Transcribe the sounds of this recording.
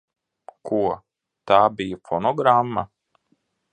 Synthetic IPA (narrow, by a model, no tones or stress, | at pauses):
kʰuɔ | t̪aːbijfɔnɔɡɾamːa̰